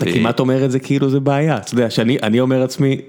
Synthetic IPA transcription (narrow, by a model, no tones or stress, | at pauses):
t̪akimat̪o̞me̞ʁet̪zekʰiiluzebeajat̪od̪eaʃeaniʔanio̞me̞ʁat͡smi